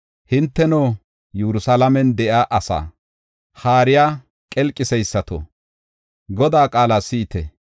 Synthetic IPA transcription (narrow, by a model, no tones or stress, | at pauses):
hɪnt̪ːɛnoː | juɾʊsɐlɐmɛnd̪ɛʔaːʔɐsa̰ː | haːɾɪjaː | kʼɛlkʼːɪsɛjsːɐt̪o̰ | ɡɔd̪aːkʼaːlaːsɪt̪ɛ